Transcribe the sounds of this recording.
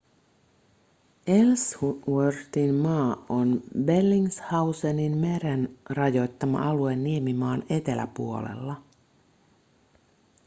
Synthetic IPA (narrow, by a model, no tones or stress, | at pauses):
elswørt̪inmɑːonbe̞lːiŋshɑwseninmeɾenrɑjo̞jt̪ːɑmɑ̰ʔɑluenːiemimɑːne̞t̪e̞læ̰puo̞̰le̞̰lːɑ